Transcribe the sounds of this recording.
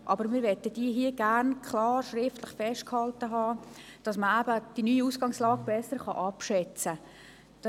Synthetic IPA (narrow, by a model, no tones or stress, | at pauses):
ʔɑbəɾmɪːɾʋɛtəd̥iəɦiəɡærnkʰlɑːrʃrɪftlɪχfɛʃt̚khɑltəɦɑː | d̥ɑsməæbəd̥inyːiusɡ̥ɑŋslɑːɡb̥ɛsəɾχɑ̰ʔɑpʃɛt͡sə | d̥